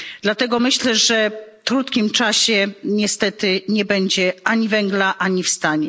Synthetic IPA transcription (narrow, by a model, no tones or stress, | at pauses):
d̪lat̪ɛɡɔmɘɕlɛʐɛt̪ɾut̪kʲimt͡ʂaɕɛɲɛst̪ɛt̪ɘɲɛbɛɲd͡ʑɛʔaɲivɛŋɡlaʔaɲifst̪aɲɛ